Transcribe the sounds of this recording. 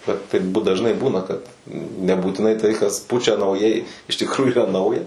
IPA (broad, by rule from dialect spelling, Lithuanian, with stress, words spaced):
ˈbʲɛt tɐɪp dɐʒˈnɐɪ ˈbuːnɐ kɐt nʲɛbuːtʲɪˈnɐɪ tɐɪ kɐs ˈpʊt͡ʃʲɛ nɐʊˈjɛɪ ɪʃ tʲɪkˈruːjʊ iːˈrɐ ˈnɐʊjɛ